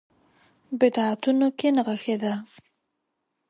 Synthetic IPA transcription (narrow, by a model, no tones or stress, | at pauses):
bɪd̪ɑat̪unokenaɣəxed̪a